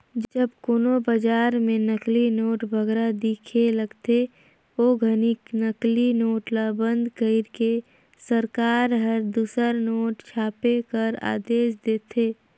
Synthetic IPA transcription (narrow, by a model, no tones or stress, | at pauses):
d͡ʒd͡ʒəbkoːnobəd͡ʒaːɾmẽnəklinoːʈbʱəɡɾad̪iːkʰeləɡt̪e | oɡʱəniknəklinoːʈlabə̃nd̪ʱkəɪɾke | səɾkaːɾɦəɾd̪uːsəɾnoːʈt͡ʃʰaːpekəɾa̰ːd̪eːʃd̪eːt̪ʰeː